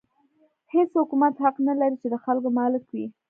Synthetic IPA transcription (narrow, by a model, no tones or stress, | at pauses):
heshʊkumat̪haqnalaɾit͡ʃed̪əxalkomɑlɪkwi